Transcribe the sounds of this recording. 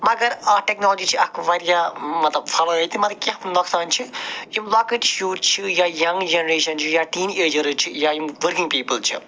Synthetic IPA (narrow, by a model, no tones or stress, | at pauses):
mɐɡɐɾaːʈɛknoːld͡ʒit͡ʃʰiɐkʰʋɐɾijaːmɐt̪lɐbfʰɐlɐɐt̪ʰimɐt̪ɐb̚kʲɐnɔksaːnt͡ʃʰijumlɐːkəʈʃuːʈt͡ʃʰijaːjɐŋɡd͡ʒenɐɾeːʃɐnt͡ʃʰijaːʈiːneːd͡ʒɐɾɨt͡ʃʰijaːjumʋəɾkĩŋɡ̚piːpəlt͡ʃʰḭ